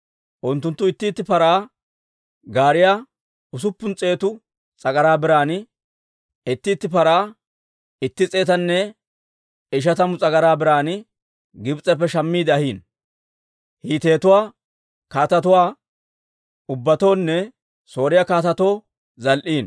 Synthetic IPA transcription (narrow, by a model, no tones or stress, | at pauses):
ʔʊnt̪ːʊnt̪ːʊɪt̪ːɪːt̪ːɪpɐɾaː | ɡaːɾɪjaː | ʊs̬ʊpːʊnt͡sʼe̞ːt̪ʊ | t͡sʼɐɡɐɾaːbɪɾaːn | ɪt̪ːɪːt̪ːɪpɐɾaː | ɪt̪ːɪt͡sʼe̞ːt̪ɐnːɛ | ɪʃ̬ɐt̪ɐmʊt͡sʼɐɡɐɾaːbɪɾaːnɪ | ɡɪbt͡sʼɛpːɛʃɐmːiːd̪ɐhiːn | hiːt̪e̞ːt̪ʊwaː | kaːt̪ɐt̪ʊwaː | ʊbːɐt̪o̞ːnːɛ | so̞ːɾɪjaːkaːt̪ɐt̪o̞ː | zɐlʔiːn